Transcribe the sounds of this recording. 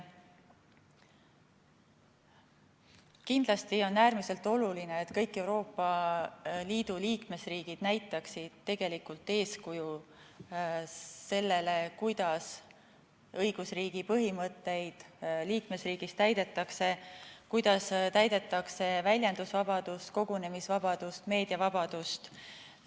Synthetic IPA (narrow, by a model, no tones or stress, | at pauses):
kind̪̥lɑst̪io̞nːæːrmise̞lt̪ːˑo̞luline̞ːt̪kɤjkːˑe̞wɾo̞ːpːɑ | liːd̪̥uliːkme̞sriːɡ̥id̪̥næjt̪ːˑɑksid̪̥t̪ːe̞ɡ̥e̞likult̪ːˑe̞ːskuju | e̞lːe̞le̞kujd̪̥ɑs | ɤjɡ̥usriːɡ̥ipɤɦimɤt̪ːe̞jd̪̥liːkme̞sriːɡ̥ist̪æjd̪e̞t̪ːˑɑkse̞kujd̪̥ɑst̪æjd̪̥e̞t̪ːˑɑkse̞vælʲjɑnd̪usvɑbɑd̪̥ust̪ko̞ɡ̥une̞misvɑb̥ɑd̪̥ust̪me̞ːd̪̥jɑvɑbɑd̪̥ust̪